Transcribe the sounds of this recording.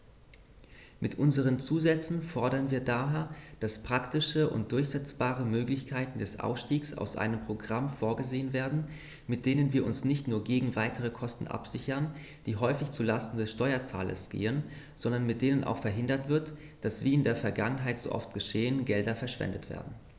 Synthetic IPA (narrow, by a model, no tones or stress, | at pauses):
mʔɪtʔʊnzəʁ̞ənt͡suːzɛt͡sn̩fɔɐɾɐnviːɐdaːɦeːɐd̥aspʁ̥aktɪʃəʔʊ̰nt̚d̥ʊɐçz̥ɛt͡sb̥aːʁəmøːklɪçkʰaɪtn̩dɛsʔa̰ʊfʃtiːksa̰ʊsʔa̰ɪnəmpʁ̥oɡʁamfoːɐɡəzeːənveːɐdn̩ | mɪt̚d̥eːnənviːɐʔʊnsnɪçtnuːɐɡeːɡŋ̩vaɪtʰəʁəkʰɔstn̩ʔa̰pz̥ɪçɐn | d̥iːɦɔʏfɪçt͡sulastn̩dɛsʃtɔʏɐt͡sa̰ːlɐ̰sɡ̥ḛːən | z̥ɔndɐnmɪt̚d̥eːnənʔa̰ʊxfɛɐɦɪndɐtv̥ɪɐt | d̥asv̥iːɪndeːɐfɛɐɡaŋənɦaɪtz̥o̰ːʔɔ̰ftɡ̥əʃeːənɡɛldɐfɛɐʃv̥ɛ̰ndətv̥ḛːɐdn̩